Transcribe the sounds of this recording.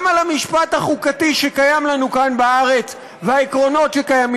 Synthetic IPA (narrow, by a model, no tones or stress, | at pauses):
malamiʃpat̪haχukatiʃekajamlanukanbaaʁe̞t͡s | veaikʁo̞no̞tʃe̞kajami